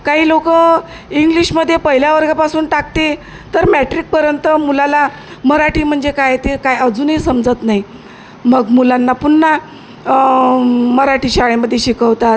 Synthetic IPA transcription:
kaɦiːlokə | iŋɡliɕməd̪ʱːjepəɦiljaʋəɾɡapasuːnʈakt̪e | t̪əɾmæʈɾik̚pəɾjənt̪əmulala | məɾaʈiːm̤əɳd͡zekajet̪ekajəd͡zuːnisəmd͡zət̪naɦi | məɡmulanːapuɳːa | məɾaʈiːɕaɭeməd̪ʱːjeɕikəʋt̪at̪

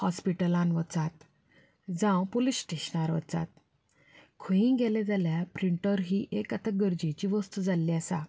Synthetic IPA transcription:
hɔspiʈəlãnʋət͡sat̪ | d͡zãwpolisʈeɕnaɾʋə̰t͡sa̰t̪̚ | kʰəĩŋɡɛlɛd͡zaljapɾiɳʈəɾɦiːʔekat̪ʰaɡəɾd͡ʑit͡ɕiʋəst̪ud͡zalːiasa

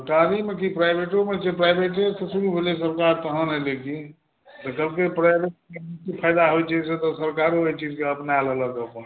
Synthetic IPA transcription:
səɾkaɾimekipɾajbʱeʈomet͡ʃepɾajbʱeʈesesuɾubʱelesəɾkaɾt̪əɦənɦeleki | t̪əkəbkepɾajbeʈ̚eisipʰajd̪aɦojt͡ʃʰɛset̪ɔsəɾkaɾoeɦt͡ʃid͡ʒkeəpnealələk̪əpən

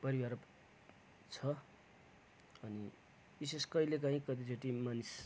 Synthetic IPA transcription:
pʌɾiwaɾ | t͡sʰʌ | ʌni | biseskʌilek̬ãɦĩkʌt̪̬it͡sʰoʈimanis

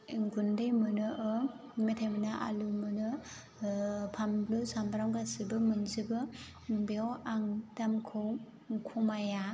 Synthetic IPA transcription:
ŋɡundɯjmɯnɯʔɯ | metʰajmɯnaʔa̰lumɯnɯ | pʰamblɯsambaɾawɡasibɯmɯnzibɯ | bewaŋtamkʰɯw | kʰumaja

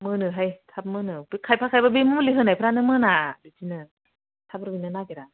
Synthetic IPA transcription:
mɯnɯɦajt̪ʰap̚mɯnɯbikʰajpʰakʰajbabimumuliɦɯnajpʰɾanɯmɯnadutinɯ | t̪ʰap̚ɾawinɯnakeɾa

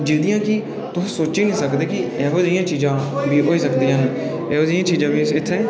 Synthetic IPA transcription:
d͡ʒiːd̪ɪjãːkɪ | t̪ʊsĩːsoːt͡ʃiːnĩːsəkd̪eːkɪɛːɦoːzɪːjãːt͡ʃiːzãːbiːɦoːiːsəkd̪ijãːniː | ɛːoːd͡ʒɪjãːt͡ʃiːzãːbiːɪt̪ʰːɛ̃ː

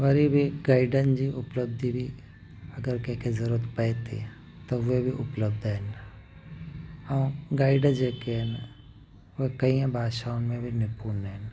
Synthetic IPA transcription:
ʋɐɾibʱiɡaːɪɖənd͡ʑiʔʊpləbd̪ʱibʱi | ɐɡəɾkẽɦkʰezɐɾuːɾət̪pɐet̪ḛ | t̪oʋebʱiʔʊpləb̚d̪ʱɦɪn | ɐũɡaːɪɖd͡ʑeːkeɦɛn | ekɐĩːə̃bʱaːʃaːʊnmẽbʱinɪpuːnɦɪn̆

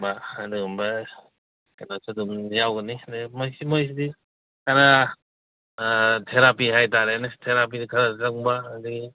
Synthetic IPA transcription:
baaduɡumba | kanasʰudumjawɡɯnidmojsimojs̬idi | kʰaɾa | tʰeɾapiɦajtaɾenastʰeɾap̬idikʰaɾazaŋbaːduɡi

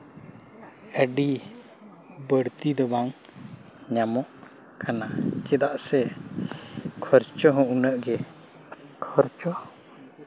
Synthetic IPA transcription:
əɖi | bəɽt̪id̪ɔbaŋ | ɲamɔʔ | kʰanakɛd̪aʔsɛ | kʰɔɾt͡ʃɔɦɔ̃ʔunəʔɡɛ | kʰɔɾt͡ʃɔ

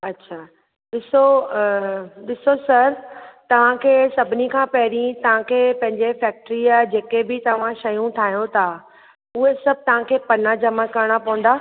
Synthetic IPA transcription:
ɐtːɕʰaː | ɗɪso | ɗɪsosɐɾt̪ɐʋ̤ãkʰeːsɐbʱɪnikʰãːpɐɦɪɾĩt̪ɐʋ̤ãkʰeːpɐ̃ɦɪ̃ɲd͡ʑefɛːk̚ʈɾiaɦd͡ʑeːkebɪt̪ɐʋ̤ãʃɐjũt̪ʰaːɦijõt̪ʰa | ʊɦesɐb̚ʱt̪ɐʋ̤ãkʰeːpɐnad͡ʑɐmakɐɾɪɽ̃apɐ̃ʋũn̆d̪aː

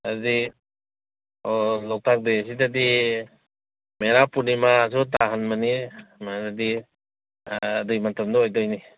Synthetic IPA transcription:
aɾdi | ɔlɔk̚tʰak̚des̬idadi | meɾapunimas̬ut̬aɦanmanimadadi | dɯjmantamdɔɔjdɔjni

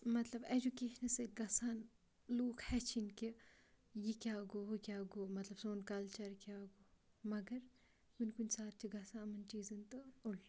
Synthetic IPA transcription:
mɐt̪lɐbed͡ʒukeːʃənɐseɡɐsaːn | loːkʰhɛt͡ʃʰinki | jikʲaːɡoɦokʲaːɡoːmɐt̪lɐb̥soːnkaːlt͡ʃɐɾkʲaːɡo | mɐɡɐɾ | kunʲkunʲsaːt̪̚t͡ʃʰiɡɐsaːnmɐnt͡ʃiːzɐnt̪ɨol

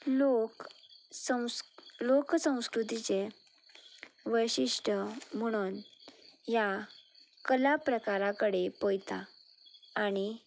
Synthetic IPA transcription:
lok | əloksə̃w̃skɾut̪it͡ɕe | ʋəjɕiʂʈʰəm̤əɽ̃uːn | ja | kəlapɾəkaɾakəɽepojt̪aː | ɽ̃i

